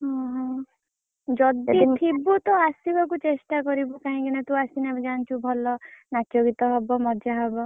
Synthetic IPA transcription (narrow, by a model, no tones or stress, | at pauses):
ɦɔ̃ɦɔ̃ | d͡ʒɔd̪itʰibut̪ɔasibɔkut͡ʃesʈakɔɾibɔkaɦĩkinɛt̪ũasinɛd͡ʒant͡ʃʰubʱɔlɔnat͡ʃoɡit̪ɔɦɔbɔmɔd͡ʒaɦɔbɔ